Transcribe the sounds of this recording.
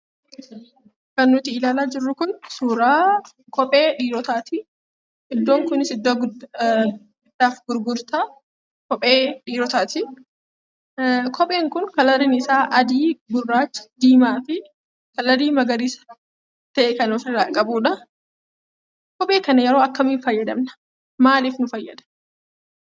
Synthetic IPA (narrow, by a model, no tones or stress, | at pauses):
kɐnːʊt̪ɪɪlaːlaːd͡ʒɪrːʊkʊnsuːɾaː | kɔpʼeːᶑiːɾɔt̪aːt̪ɪ | ʔɪd̪ːoːŋkʊnɪsɪd̪ːoɡ | ɪd̪ːaːfɡʊɾɡʊɾt̪a | kɔpʼeːᶑiːɾɔt̪aːt̪ɪ | kʰɔpʼe̞ːŋkʊnkɐlɐɾɪnɪsaːʔɐd̪iːɡʊrːaːt͡ʃːd̪iːmaːfɪ | kɐlɐɾiːmɐɡɐɾiːsɐ̥ | t̪ɐʔɛkɐnɔfɐɾaːkʼɐbuːᶑɐ | kɔpʼe̞ːkɐnɐjɛɾo̞ːɐkːɐmiːnfɐjːɐd̪ɐmnɐ̥ | maːliːfnʊfɐjːɐ̰d̪ɐ̥